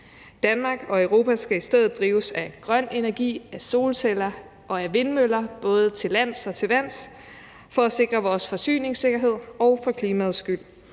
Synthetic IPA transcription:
d̥ænmɑ̈ɡ̥ɒ̽øʊʁo̝ːpʰæsɡ̥æisd̥eð̰ð̩ˠd̥ʁiːʊsæɡ̥ʁɶn̰e̝næɐɡ̥ḭːæso̝ːlselɐ | ʔɒ̽æʋe̝nmølɐb̥ɔ̽ːð̞ˠət͡sʰe̝læn̰sɒ̽t͡sʰe̝lʋæn̰s | fɒ̽æse̝ɡ̥ʁɐʋɒːsfɒ̽sy̰ːne̝ŋse̝ɡ̥ɐɦe̝ð̞̰ˠɒʊfɒ̽kʰliːmæð̩ˠsɡ̥yl̰

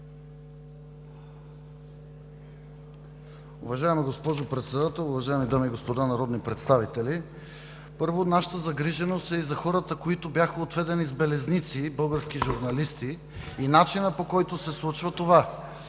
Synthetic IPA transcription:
ʊvɐʒaɛmiɡospɔʒopɾɛt̪sɛd̪at̪ɛlˠʊvɐʒaɛmid̪amiɡospod̪anɐɾɔd̪nipɾɛt̪st̪avit̪ɛli | pɤɾvonaʃə̥t̪əzɐɡɾiʒɛnost̪ɛizɐxɔɾət̪əkoit̪objaxəot̪vɛd̪ɛnizbɛlɛznit̪sibɤlˠɡəɾskiʒuɾnɐlist̪iː | nat͡ʃinəpokɔjt̪osɛslˠut͡ʃvət̪ova

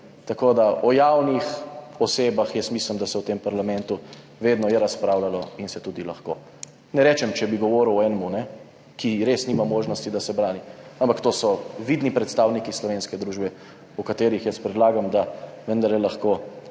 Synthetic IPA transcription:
t̪akoːd̪aʔɔjawnixɔseːbaxjɛsmisləmd̪asɛwt̪empaɾlamɛnt̪u | ʋeːd̪nɔjɛɾaspɾaːwlalɔinsɛt̪uːd̪ilaxko̰ː | nɛɾɛt͡ʃɛmt͡ʃɛbiɡɔʋɔːɾuwɔɛːnɛmunɛ | kiɾesniːmamoːʒnɔst̪id̪asɛbɾaːniampakt̪oːsɔʋid̪nipɾɛt̪st̪aːwnikislɔʋenskɛd̪ɾuʒbɛ | ɔkat̪eːɾixjəspɾɛd̪laːɡamd̪aʋənd̪aɾlɛlaxko

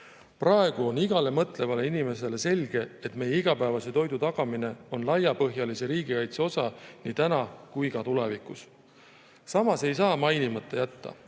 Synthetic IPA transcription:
prɑe̞ɡ̥uo̞niɡ̥ɑle̞mɤt̪ˑle̞vɑle̞inime̞se̞le̞se̞lʲɡ̥e̞et̪ːˑme̞jeiɡ̥ɑpævɑse̞t̪o̞jd̪ut̪ɑɡ̥ɑmine̞o̞nlɑjːɑpɤ̞ɦjɑlise̞ɾiːɡ̥ikɑjt̪seo̞sɑniːt̪ænɑkujkɑt̪ule̞vikˑus | sɑmɑse̞jsɑːmɑjnimɑt̪ˑːejæt̪ːɑ̰

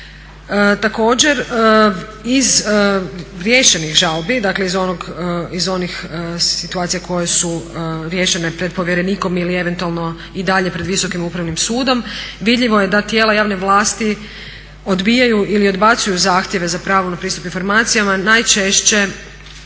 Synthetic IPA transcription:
ət̪ako̞ːd͡ʑe̞ɾəiz | ɾje̞ːʃe̞nixʒalˠbid̪akle̞izonoɡizo̞nixsit̪uaːt̪sijako̞jesuɾje̞ːʃe̞ne̞pɾe̞d̪̚poʋjeɾe̞niːko̞milie̞ʋe̞nt̪ualˠno̞ | id̪aʎe̞pɾed̪ʋiso̞kimupɾaʋnimsuːd̪o̞mʋid̪ʎiʋo̞je̞d̪at̪je̞ːlajaːʋne̞ʋlˠaːst̪i | o̞d̪bijajuʔilio̞d̪bat̪sujuzaːxt̪jeʋe̞zapɾaːʋonapɾiːst̪u̥pinfo̞ɾmaːt̪sijamanajt͡ʃe̞ʃt͡ɕe̞

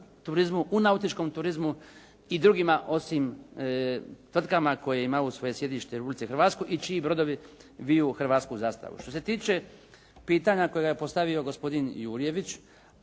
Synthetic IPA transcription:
t̪uɾizmuʔunaut̪it͡ʃko̞mt̪uɾizmu | id̪ɾuːɡimaʔo̞sim | t̪ʋr̩t̪kamakojejeimausʋo̞je̞sje̞d̪iʃt̪eiɾepublit̪sexrɾʋaːt̪skuʔit͡ʃiibɾo̞d̪o̞ʋiʋijuxr̩ʋaːt̪skuzaːst̪a̰ʋṵʃt̪o̞se̞t̪iːt͡ʃe̞ | piːt̪aɲakojeɡajepo̞st̪aʋio̞ɡo̞spo̞d̪injuːɾije̞ʋit͡ʃ

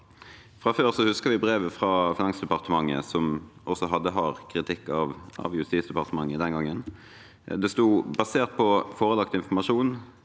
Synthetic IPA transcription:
fʁɑføːʁsɔhʉskəʋɪbʁeːʋəfʁɑːfɪnɑŋsd̪ɛpɑʁt̪əmɑŋːə̰sɔmʔɔsɔɦɑd̪ːəɦɑːʁkʰʁɪt̪ʰɪkːɑʋɑ̰ʋjʉst̪iːsd̪əɛpɑʁt̪əmɑŋːəd̪ɛnɡɑŋːən | d̪ɛst̪uːbɑseːʁt̪̚pʰɔfoːʁəlɑkt̪ɪnfɔmɑʂuːn

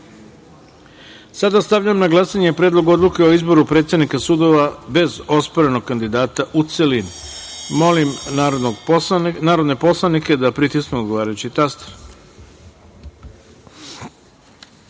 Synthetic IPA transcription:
sad̪ast̪aʋʎuemnaɡlˠaːsaɲe̞pɾeːd̪lˠo̞ɡuo̞d̪lˠuke̞o̞izbo̞ɾupɾet̪sʲed̪nikasud̪o̞ʋabe̞zo̞spoɾe̞no̞ɡ̚kand̪id̪aːt̪aʔut̪selinmo̞limɾooɡnaːɾod̪ne̞po̞slˠanike̞d̪apɾit̪ismeo̞d̪ɡo̞ʋaːɾajut͡ɕit̪ast̪

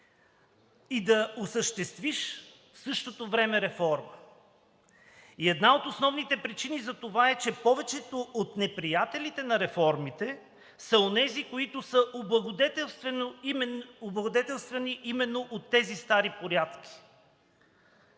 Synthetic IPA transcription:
id̪ɐosəʃt̪ɛst̪viʃ | fsɤʃt̪ot̪ovɾɛmɛɾɛfɔɾmə | iɛd̪naot̪osnɔvnit̪ɛpɾit͡ʃinizɐt̪ovaɛt͡ʃɛpɔvɛt͡ʃɛt̪oʔot̪nɛpɾijat̪ɛlit̪ɛnɐɾɛfɔɾmit̪ɛ | sɐonɛzikoit̪ʊsəʔobˠɐɡod̪ɛt̪ɛ | oblˠɐɡod̪ɛt̪ɛlˠst̪vɛniʔimɛnːoʔot̪ːɛzist̪aɾipoɾjat̪k̟ʲi̥

